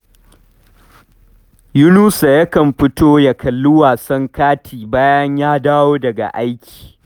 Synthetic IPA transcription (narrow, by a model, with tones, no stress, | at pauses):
jʊ˦nuː˦sa˨jɐ˦kɐ˨mɸɪ˦toː˦ja˦kɐ˨lːʊ˦waː˨sɐ˦ŋkaː˦tʰiː˨baː˦jɐ˦ɲjaː˦daː˦woː˦dɐ˨ɡa̰˨ʔa˦jkʲʰi̥ː˨